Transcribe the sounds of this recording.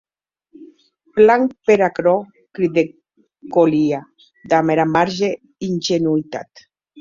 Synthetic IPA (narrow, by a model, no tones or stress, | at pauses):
plaŋpeɾakɾɔ | kɾid̪e | kolia | d̪ameɾamaɾʒe | inʒenuit̪a̰t̪